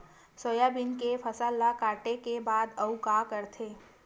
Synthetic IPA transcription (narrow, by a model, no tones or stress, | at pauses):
soːjabɪnkepʰɐsaːlːakaːʈekebaːd̪ɐukakəɾt̪ʰeː